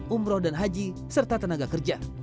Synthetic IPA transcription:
umɾɔhdanɦad͡ʒi | sərt̪at̪ənaɡakərd͡ʒa

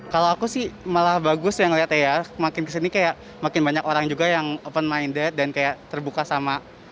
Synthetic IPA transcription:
kalowakusɪhmalahbaɡʊsjaŋliɦat̪ajamakɪnkəsinikajaʔ | makɪnbaɲakoɾaŋd͡ʒuɡajaŋopənmajndɛt̪̚dankajaʔt̪ərbukasama

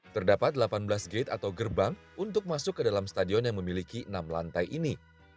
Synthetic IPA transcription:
t̪ərdapat̪̚dlapanbəlasɡet̪at̪awɡərbaŋ | unt̪ʊk̚masʊkːədalamst̪adiɔnjaŋməmilikinamla̰nt̪ajʔini

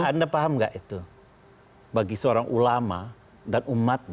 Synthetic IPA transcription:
andapaɦamŋɡa̰ʔit̪u | baɡisəoɾaŋʔulama | danumat̪̚ɲ

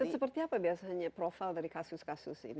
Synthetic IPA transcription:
ansəpərt̪iapabiasaɲapɾofaldaɾikasʊskasʊsɪ̰n

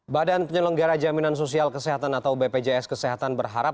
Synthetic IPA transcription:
badanpəɲələŋɡaɾad͡ʒaminans̬os̬ialkəsɛɦat̪anat̪awbeped͡ʒeɛskəseɦat̪anbərɦaɾap̚

